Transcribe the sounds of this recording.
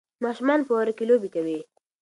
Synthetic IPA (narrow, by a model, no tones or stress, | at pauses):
mɑːʃʊmɑnpowaɾakelobikawi